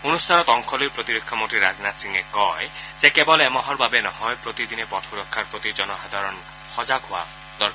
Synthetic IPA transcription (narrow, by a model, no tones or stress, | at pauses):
onust̪ʰanɔt̪ɔŋkʰɔlipɾot̪iɾekʰːamoʈɾiɾad͡ʒnat̪siŋekɔesekebɔleemɔɦɔɾbabenɔɦɔjpɾot̪id̪inepɔʈʰuɾɔkʰːaɾpɾot̪id͡ʒɔnɔɦad̪ʱaɾɔn | hɔd͡ʒaɡɦoa̰ | d̪ɔɾ